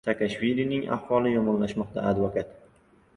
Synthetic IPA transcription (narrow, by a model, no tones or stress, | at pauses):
sakaʃvilinɪŋa̰hvɒlˠɪjɒmɒnlaʃmɒqt̪a̰ad̪vokat̪